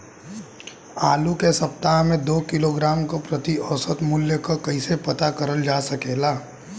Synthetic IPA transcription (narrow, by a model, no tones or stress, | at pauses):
aːlukesɐp̚t̪aɦmẽd̪oːkɪloɡɾaːmkopɾət̪iɔːsət̪mʊljəkokɐisepɐt̪akɐɾəld͡ʒaːsɐkeːlaː